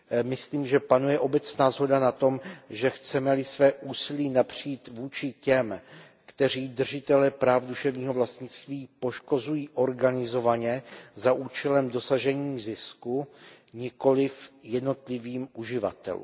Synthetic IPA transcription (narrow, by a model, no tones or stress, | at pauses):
mɪsliːmʒɛpanujɛʔo̞bɛt͡snaːzɦo̞danat̪o̞mʒɛxt͡sɛmɛlɪsvɛːʔuːsɪliːnapr̥iːt̪vuːt͡ʃɪcɛm | kt̪ɛr̝iːd̪r̩ʒɪt̪ɛlɛpɾaːfduʃɛvɲiːɦo̞vlast̪ɲɪt͡st̪viːpo̞ʃko̞zujiːʔo̞ɾɡanɪzo̞vaɲɛzaʔuːt͡ʃɛlɛmdo̞saʒɛɲiːzɪskuɲɪko̞lɪfjɛdno̞t̪lɪviːmuʒɪva̰t̪ɛ̰lṵːm